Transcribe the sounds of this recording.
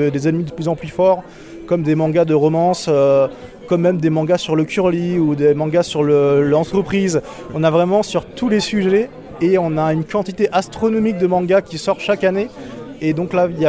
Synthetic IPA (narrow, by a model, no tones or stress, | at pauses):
d̪ezɛnmid̪əplyzɑ̃plyfɔʁ | kɔmd̪emɑ̃ɡad̪əʁɔmɑ̃sø | kɔmːɛmd̪emɑ̃ɡasyʁləkʲyʁliud̪emɑ̃ɡasyʁləlɑ̃t̪χəpχiːz | ɔ̃navʁɛmɑ̃syʁt̪ʰulesyʒɛ | eɔ̃naynkɑ̃t̪it̪eʔast̪χɔnɔmik̚d̪əmɑ̃ɡakʲisɔʁʃakaneed̪ɔ̃klailja